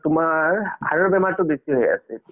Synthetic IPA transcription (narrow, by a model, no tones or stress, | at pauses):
tʊmaɹɦaɹɔɹbɛmaɹtʊbesiɦoja̰sɛ